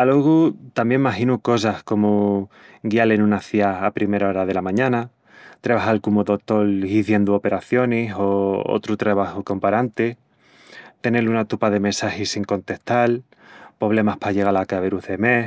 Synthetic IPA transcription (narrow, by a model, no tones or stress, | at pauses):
aloɣut̪ambje̞maɦinuko̞s̬ahko̞mu | ɡialenũnaθiaapɾime̞ɾao̞ɾað̞e̞lamãɲãna | t̪ɾeβ̞aɦalkumoðo̞t̪o̞liθje̞nd̪uo̞pe̞ɾaθjo̞niso̞o̰t̪ɾut̪ɾeβ̞ahuko̞mpaɾant̪e | t̪e̞nelunat̪upaðe̞mẽnsahisiŋko̞nt̪e̞ht̪al | po̞β̞le̞mahpaʎe̞ɣalakaβeɾuðe̞me̞h